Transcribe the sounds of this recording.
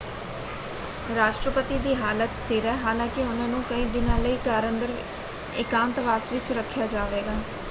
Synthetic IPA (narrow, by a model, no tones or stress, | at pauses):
ɾaːʃʈɾəpət̪iːd̪iːɦaːlət̪st̪ʰiːɾɛːɦaːlãːkɪʊnãːnũːkəiːd̪ɪnãːləiːkaːɾənd̪əɾ | ɪ̰kaːmt̪əʋaːsʋɪt͡ʃɾəkʰːjaːd͡ʒaːʋeːɡaː